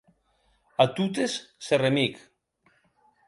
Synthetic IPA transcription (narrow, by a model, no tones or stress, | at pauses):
at̪ut̪̬esːeremik